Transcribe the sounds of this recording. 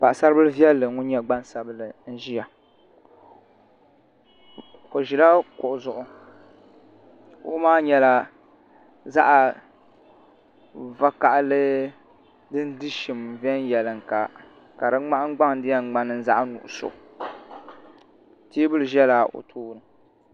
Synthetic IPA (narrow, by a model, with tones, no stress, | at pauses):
pa˨ʔsa˦ɾɨ˦bɨ˦lɨ˦vi˦ɛ˦lːɨ˨ŋʊ˦ɲɛ˦ɡ͡ba˦nsa˨bɨ˦lɨ˨n̩˦ʒi˦ja˨ | ko˨ʒi˨la˦kʊ˨ʔʊ˨zʊ˨ʔʊ˨ | kʊ̰˦ʔmaː˦ɲɛ˦la˨ | za̰˦ʔa˨ | va˦ka˨ʔlɨ˦ | dɨ˦n˦dɨ˦ʃi˨mvɛ˦n˦jɛ˨lɨ˨ŋ˨ka̰˨ | ka˨dɨ˦ŋ͡ma˦ʔŋ˦ɡ͡ba˦ŋ˦dɪ˦ja˦˨ɡ͡ba˦nɨ˦n̩˦za˦ʔa˦nʊ̰˨ʔʊ˨so̰˨ | teː˦bɨ˦lɨ˨ʒɛ˦la˨ʔo̰˨tʰuː˦nɨ˨